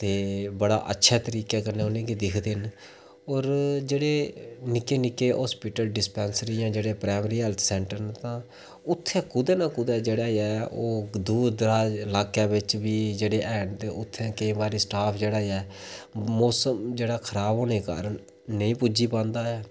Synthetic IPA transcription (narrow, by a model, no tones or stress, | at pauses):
t̪eːbəɽa̰ːʔə̰tːʃʰɛːt̪əɾiːkɛːkəneːʊnẽːkiːd̪ɪkʰd̪ɪn | oːɾd͡ʒeːɽeːnɪkeːnɪkeːɦɔːspɪʈəlɖɪspɛːnsəɾijãːd͡ʒeːɽeːpɾaːɪmɾiːɦɛlt̪ʰsɛ̃ːɳʈəɾnt̪ãː | ʊt̪ʰːɛ̃ːkʊd̪eːnãːkʊd̪ɛːd͡ʒeːɽaːɛːoːd̪uːd̪d̪əɾaːlaːkjaːbɪt͡ʃbiːd͡ʒeːɽeːʔɛːɳd̪eːʔʊt̪ʰːɛ̃ːkəĩːʋaːɾiːsʈaːpʰd͡ʒeːɽaːɛː | oːsəmd͡ʒeːɽaːkʰəɾaːbɦoːneːka̰ːɾənː | əĩːpʊd͡ʒiːpãːnd̪aːɛː